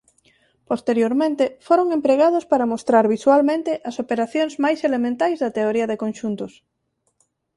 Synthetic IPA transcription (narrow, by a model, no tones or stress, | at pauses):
post̪eɾjoɾmẽnt̪efoɾoŋempɾeɣ̞að̞ʊspaɾɐmost̪ɾaɾβiswalmẽnt̪ɪʔɐsopeɾaθjoŋzmajselemẽnt̪ajzðɐt̪eoɾiɐðekonʃunt̪ʊs